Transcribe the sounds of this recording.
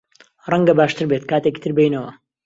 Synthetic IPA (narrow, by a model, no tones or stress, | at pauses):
rˤɐŋɡɐbaːʃt̪ɨɾbet̪̚kaːt̪eki̥t̪ʰɨɾbejnɐwɐ